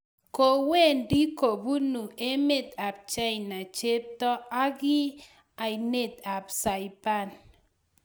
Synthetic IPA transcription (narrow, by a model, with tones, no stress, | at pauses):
ko˨we˦ndi˦ko˨bu˦nu˨e˦me˦˨t̪a˨p̚t͡ʃa˦˨na˨t͡ʃe˦p̚t̪ɔ˦a˦ɡɪ˦ | a˨i˨ne˦˨t̪a˨psa˨jpa˦n